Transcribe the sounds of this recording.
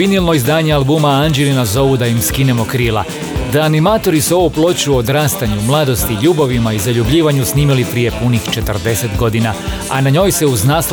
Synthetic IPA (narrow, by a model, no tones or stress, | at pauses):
inilno̞izd̪aːɲealˠbuːmaand͡ʒelinazo̞ʋud̪ajimskine̞mo̞kɾiːlˠa̰ | d̪aːnimaːt̪o̞ɾisuo̞ʋuplˠo̞t͡ɕuod̪ɾaːst̪aɲumlˠaːd̪o̞st̪iʎuːbaʋimaizaʎubʎiːʋaɲusniːmilipɾije̞punixt͡ʃe̞t̪əɾd̪e̞set̪ɡo̞d̪ina | a̰naɲo̞ːjse̞uznaːs